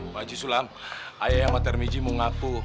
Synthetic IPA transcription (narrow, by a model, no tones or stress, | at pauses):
mad͡ʒisulamʔajajaŋmat̪ɛrmid͡ʒimuŋaku